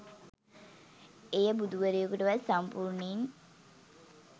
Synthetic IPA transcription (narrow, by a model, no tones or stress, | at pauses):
ejəbud̪uʋəɾijəkuʈəʋasampuɾɳiŋ